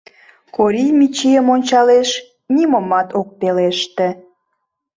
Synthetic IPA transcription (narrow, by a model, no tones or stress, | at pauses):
koɾijmʲit͡ɕiəmonʲt͡ɕɑleʃ | nʲiməmɑt̪ok̚peleʃt̪ĕ